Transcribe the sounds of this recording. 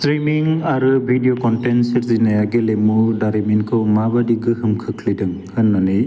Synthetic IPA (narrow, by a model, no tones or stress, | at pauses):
stɾimiŋaɾɯbʱidijokɔntensɯɾzinajaɡelemudaɾiminkʰɯwmabadiɡɯɦɯmkʰɯkʰlidɯŋhɯnːanɯj